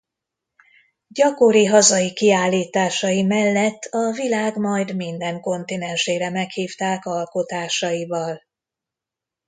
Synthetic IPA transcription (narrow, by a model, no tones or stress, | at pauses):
ɟɒkoɾiɦɒzɒjikiaːlːiːt̪aːʃɒjimɛlːɛt̪ːɒvilaːɡmɒjd̪mind̪ɛŋko̞nt̪inɛnʃeːɾɛmɛkhiːft̪aːkɒlko̞t̪aːʃɒjivɒl